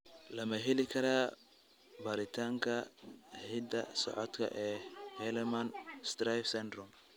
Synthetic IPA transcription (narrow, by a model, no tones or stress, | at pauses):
lɐmɐɦɛlɪkʰɐɾaː | bɐːɾɪt̪ʰaːŋkʰɐhɪd̪ɐsɔ̰ʕɔt̪kʰɐ̰ʔɛːhɛlɛmɐnst̪ɾajfsɛnd̪rʊm